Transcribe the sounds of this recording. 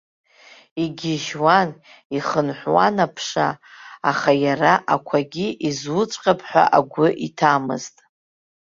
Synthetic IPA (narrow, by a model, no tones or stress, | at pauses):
iɡʲɪʒwan | iχənħʷwa̰napʰʂa̰ːχajaraʔakʷʰaɡʲiʔizwʊt͡ʃʷʼqʼapʰʼħᶣʷa̰ʔaɡʷʊʔitʰamɨ̰ztʼ